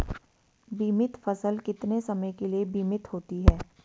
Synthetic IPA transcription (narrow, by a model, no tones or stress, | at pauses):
biːmɪt̪fɐsəlkɪt̪nesɐməjkeliebiːmɪt̪ɦoːt̪iɦɛː